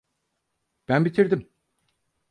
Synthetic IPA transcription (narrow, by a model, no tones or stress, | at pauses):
b̥ænbit̪ʰiɾd̪im